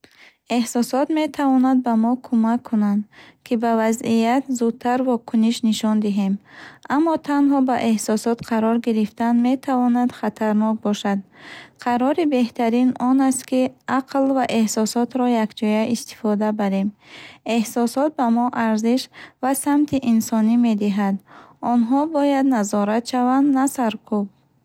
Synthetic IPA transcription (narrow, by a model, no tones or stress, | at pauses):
e̞hsɔsɔt̪me̞t̪ʰavɔnad̪̚bamɔkʰumakʰːunand̪kʰibavazijat̪zud̪̚t̪ʰːaɾvɔkʰuniʃniʃɔnd̪iɦe̞mamːɔt̪ʰanɦɔbaʔe̞hsɔsɔt̪qʰaɾɔɾɡiɾift̪anme̞t̪ʰavɔnad̪χat̪ʰaɾnɔk̚bɔʃad̪qʰaɾɔɾibe̞ht̪ʰaɾinɔnast̪kiʔaqʰlvaʔe̞hsɔsɔt̪ɾɔjakd͡ʒɔjaʔist̪i̥fɔd̪abaɾe̞me̞hsɔsɔt̪̚bamɔʔaɾziʃvasamt̪ʰiʔinsɔnime̞d̪iɦad̪ɔnɦɔbɔjad̪nazɔɾat̪ʃavand̪nasaɾkʰub̚